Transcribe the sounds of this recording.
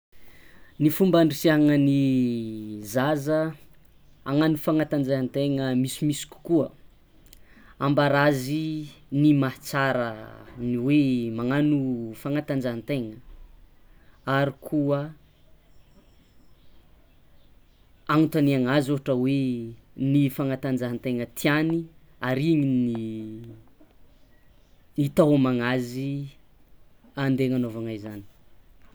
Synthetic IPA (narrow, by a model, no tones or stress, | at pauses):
nifumbaɳɖ͡ʐisiaɦaŋəni | zazə | aŋanufaŋat̪and͡ʒant̪eŋəmisimisi̥kʲu̥kuə | ambaɾazinimaht͡saɾə̰niwemaŋanufaŋat̪and͡ʒant̪eŋə | aɾikʰuə | anut̪aniaŋazuɦaʈ͡ʂəwenifaŋat̪and͡ʒaɦant̪eŋət̪ʰiani | aɾiɲini | it̪awamaŋazi | and̪eŋanovaŋajzani̥